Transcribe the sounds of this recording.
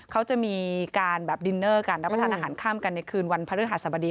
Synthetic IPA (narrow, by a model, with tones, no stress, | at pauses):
kʰa˦˥wt͡ɕa˨˩ʔmiː˧kaː˧nbɛː˨˩p̚di˧nːɤː˥˩kaː˧nɾa˦˥p̚pa˧t̪ʰːʔaː˧ɦaː˩˦nkʰaː˥˩mka˧nːa˧jkʰɯː˧nwa˧npʰa˧ɾt̪̚ɦa˧˩t̪̚sa˧˩ba˧diː˧